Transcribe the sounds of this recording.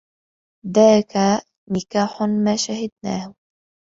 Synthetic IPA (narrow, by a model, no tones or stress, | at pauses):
ðaːka | nɪkaːħʊmaːʃahɪd̪na̰ːh